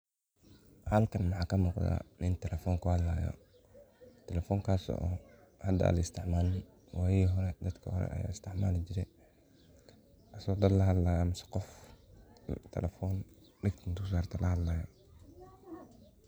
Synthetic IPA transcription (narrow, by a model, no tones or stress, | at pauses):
hɐlkʰɐnmɑħɑːkʰɐmuːqd̪a̰nɪnt̪ʰɛlɛfɔːŋkʰʊhɐd̪laːjɔ̰ | t̪ʰɛlɛfɔːŋkʰaːsɔ̰ʔɔː | hɐd̪ɐ̰lɐɪst̪ʰɪʕmaːl | wʔaːjiɦɔɾɛd̪ɐd̪kʰɐhɔ̰ɾɛ̰ʔɐ̰ja̰ːɪst̪ʰɪʕmaːlɪt͡ʃɪɾɛ | ʔɐsɔːd̪ɐd̪lɐɦɐd̪laːjamɪsɐ̥qɔf | t̪ʰɛ̰lɛfɔːn | ɖɪɡt̪ʰɪnt̪us̬aːrt̪ʰɐlʔɐhɐd̪laːjɔ